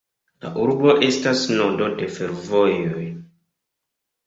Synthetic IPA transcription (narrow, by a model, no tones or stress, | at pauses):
la̰ʔuɾbo̞ʔe̞stasnondo̞de̞fe̞ɾvojoj